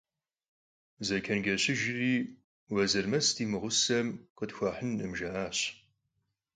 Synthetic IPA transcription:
zɐkʰɐnɡɐɕɪʒɪriː | wɐzɨrmɐstʰiːmɨʁʷʊsɐmqədxʷɐħənɨmʒɐʔaːɕ

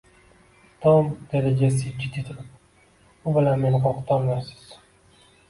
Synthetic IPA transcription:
t̪ʰɒmd̪̥aɾad͡ʒasɪt͡ʃʲʰːit̪ʰit̪ʰɪɾɪp̚ | ʊbɪlanme̞nɪqʰɒqt̪ʰammasɪ̥z̥

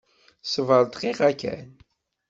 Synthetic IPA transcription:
səvəɾˤt̪qiʁækæ̰n

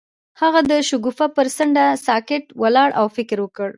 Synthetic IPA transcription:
haɣad̪əʃʊɡufapəɾsəɳɖasɑkɪʈwalɑɽʔawfɪkɪɾwəkəɽ

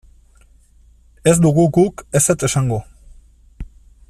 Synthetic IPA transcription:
e̞zd̪uɣuɡuke̞set̪e̞saŋɡo

